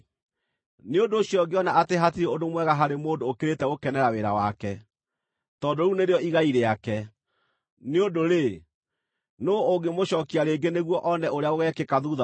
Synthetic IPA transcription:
neodoːɕjɔɡeɔnaateɦatiɾeodomwɛɣaɦaɾemoːdoːkeɾetɛɣokɛnɛɾaweɾa̰wakɛ | tɔdoɾuneɾeɔiɣaiɾeakɛ | neodoɾe | noːɡemoɕɔːkiaɾeːɡeneɣwɔʔɔnɛʔoɾeaoɣɛkekaðuða

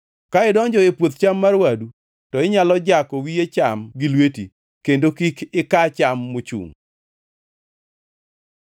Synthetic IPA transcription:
kaɪdɔɲd͡ʒɔɪpwot̪t͡ʃamːarwadu | tɔɪɲalɔd͡ʒakɔwijet͡ʃamɡɪlwetḭ | kendokikɪkat͡ʃamːʊt͡ʃṵŋ

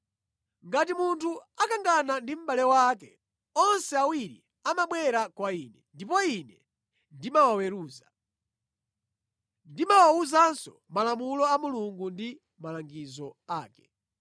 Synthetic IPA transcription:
ŋɡatimuntʰuakaŋɡanandim̩ɓalɛwaːkɛ | ɔnsɛawiɾḭ | amaɓwɛɾakwaiːnɛndip̬ɔinɛ | ndimawawɛɾuːza | ndimawauzansɔ | malamulɔamuluŋɡundi | malaŋɡizɔaːkɛ̥

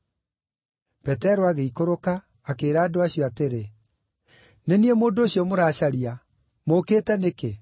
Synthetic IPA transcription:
pɛtɛɾoaɣeikoɾokaː | keːɾaːdoaɕijɔateɾe | neniɛmoːndoɕjɔmoɾaːɕaɾia | mokeːtɛneke

